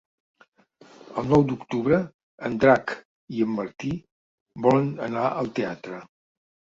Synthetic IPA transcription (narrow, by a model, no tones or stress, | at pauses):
əlˠnɔwd̪ukt̪uβɾə | ənd̪ɾak | iəmːəɾt̪i | bɔlənənaʔəlˠt̪eat̪ɾə